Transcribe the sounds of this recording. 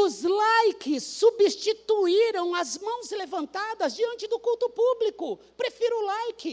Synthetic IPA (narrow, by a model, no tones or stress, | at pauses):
ʊzlajkɪsːubist͡ʃit̪uiɾɐ̃w̃ɐzmɐ̃w̃slevɐ̃nt̪ad̪ɐzd͡ʒiɐ̃nt͡ʃɪd̪ʊkuwt̪ʊpublikʊ | pɾefiɾʊlajkɪ